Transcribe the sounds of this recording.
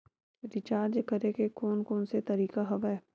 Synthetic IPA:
ɾɪt͡ʃaːɾd͡ʒekɐɾekekoːnkoːnset̪ɐɾiːkaɦɐʋɛː

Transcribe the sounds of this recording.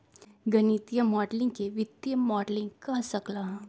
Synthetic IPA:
ɡɐnit̪ijəmɔːɖlɪ̃ŋɡkeʋɪt̪jəmɔːɖlɪ̃ŋɡkɐɦsɐklaːɦ

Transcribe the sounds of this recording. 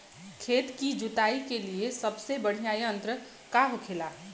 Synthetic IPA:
kʰeːt̪kid͡ʒʊt̪aːikeliesɐbsebɐɽ̤ijaːjə̃nt̪ɾə | kaɦokʰelaː

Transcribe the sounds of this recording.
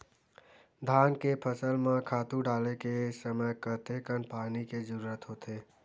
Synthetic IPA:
d̪ʱaːnkepʰəsəlmãkʰaːt̪uɖaːlekesəməjkət̪ekənpaːnikezəɾuːɾət̪ɦot̪e

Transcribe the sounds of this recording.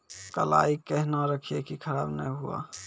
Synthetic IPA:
kə̰la̰ikəɦnaɾəkʰiekikʰəɾaːbnə̰ɦua̰

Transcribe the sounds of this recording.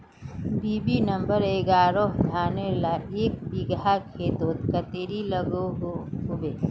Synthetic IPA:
biːbinɐ̃mbəɾeːɡaːɾoːɦd̪ʱaːnelaeːk̚biɡɾakʰeːt̪oːt̪kət̪eːɾiləɡoɦʊbeː

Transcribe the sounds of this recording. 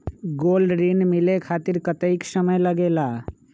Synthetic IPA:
ɡoːlɖɾinmɪlekʰaːt̪ɪɾkət̪əɪksəməjləɡeːlaː

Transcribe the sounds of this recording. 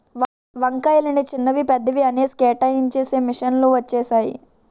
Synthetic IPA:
ʋɐŋkɐjlinit͡ʃinːɐʋipɛd̪ːɐʋiɐneːskeːʈɐjint͡ʃeːseːmiʂɐnluːʋɐt͡ʃːɛːsaːjḭ

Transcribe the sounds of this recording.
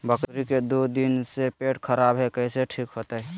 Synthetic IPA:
bəkɾiked̪od̪insepeʈkʰəɾabɦɛkəɪseʈʰikɦot̪aɦɛ

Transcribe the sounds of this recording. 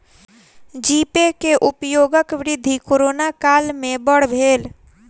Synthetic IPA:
d͡ʒiːpekeʔʊpjoːɡəkʋɾɪd̪ʱːikoːɾoːnakaːlmẽbəɽ̤bʱeːl

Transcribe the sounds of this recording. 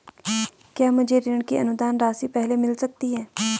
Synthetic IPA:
kjaːmʊd͡ʒʱeɾɪɳ̃kiə̰nʊd̪aːnɾaːsipɛːɦlemɪlsək̚t̪iɦɛː

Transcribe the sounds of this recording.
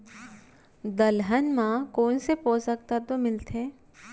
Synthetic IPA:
d̪əlɦənmãkoːnsepoːsək̚t̪at̪omɪlt̪ẽː

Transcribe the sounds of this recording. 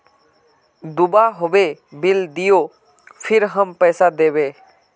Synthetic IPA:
d̪ʊbaɦoʋebɪld̪ɪjo | pʰɪɾɦəmpɛːsad̪eːʋeː

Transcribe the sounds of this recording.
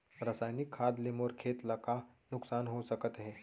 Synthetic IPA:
ɾəsajnikʰːad̪lemoɾkʰet̪ləka | nuksanɦosəkət̪ɦe

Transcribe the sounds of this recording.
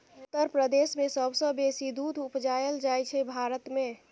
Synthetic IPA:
t̪əɾpɾəd̪esmesəbsə̃besid̪ud̪ʱupd͡ʒajeld͡ʒajt͡ʃʰɛbʱaɾət̪me

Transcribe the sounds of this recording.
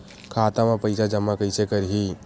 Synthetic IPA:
kʰaːt̪amepəɪsad͡ʒəmːakəjsekəɾɦi

